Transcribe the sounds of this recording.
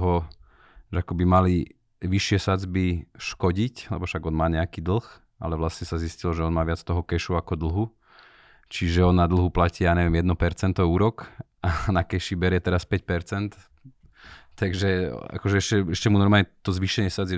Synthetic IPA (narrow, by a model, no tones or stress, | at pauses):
ɦɔ | ʒɛakɔbimali | ʋiʃɪɛsad͡zbiʃkɔɟiclɛbɔfʃaɡɔnmaːɲɛakiːd̪l̩ˠx | ʔa̰lɛʋlasɲɛsaziscilɔʒɛɔnmaːʋɪat͡st̪ɔɦɔkɛʃuakɔd̪l̩ˠɦu | t͡ʃiʒɛɔnːad̪l̩ɦuplacijaːɲɛʋɛmjɛd̪nɔpɛɾt͡sɛnt̪ɔuːɾɔk | anakɛʃibɛɾɪjɛt̪ɛɾaspɛc̚pɛɾt͡sɛnt̪ | t̪aɡʒɛa̰kɔʒɛɛʃcɛɛʃcɛmunɔɾmaɲɛt̪ɔzʋiʃɛɲɪɛsad͡zɛ